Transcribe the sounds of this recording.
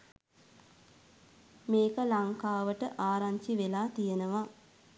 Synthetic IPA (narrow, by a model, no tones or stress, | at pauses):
meːkəlaŋkaːʋəʈəʔaːɾaɲt͡ʃiʋelaːt̪ijenəʋa